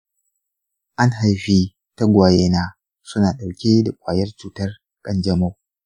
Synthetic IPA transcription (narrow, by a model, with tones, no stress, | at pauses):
ʔa˦ŋɦa˨lɸiː˦ | ta˦ɡʷaː˨jeː˦naː˦ | sʊ˦naː˨ɗa˨wkʲeː˦da˨kʷʼaː˨jɐ˦rt͡ʃuː˨tɐ˦r | kʼɐ˦nd͡ʒɐ˦mo˦